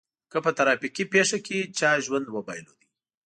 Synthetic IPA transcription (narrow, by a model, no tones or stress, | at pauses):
kəpət̪aɾɑpikipeʂaket͡ʃɑʒwand̪mobɑjlod̪i